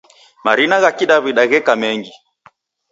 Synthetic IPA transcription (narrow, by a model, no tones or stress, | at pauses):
maɾinaɣakiɗaβiɗaɣɛkamɛŋɡi